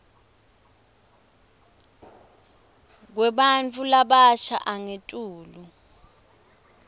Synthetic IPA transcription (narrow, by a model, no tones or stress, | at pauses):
k̬wɛɓant͡fʰulaɓat͡ʃʰa̰ʔaŋetʼuːlu